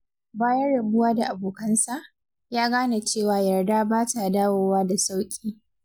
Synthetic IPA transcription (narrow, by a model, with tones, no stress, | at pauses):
baː˦jɐ˦ɽɐ˨bʊ˦waː˦da˨ʔa˨boː˨kɐ˦nsa˨ʔ | jaː˦ɡaː˦na˨t͡ʃeː˦˨waː˨jɐ˨rdaː˦baː˦ta˨daː˦woː˦waː˦da˨sa˦wkʲʼiː˦